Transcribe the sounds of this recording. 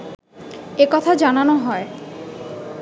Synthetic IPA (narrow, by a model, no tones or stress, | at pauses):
ekɔt̪ʰad͡ʑananoɦɔe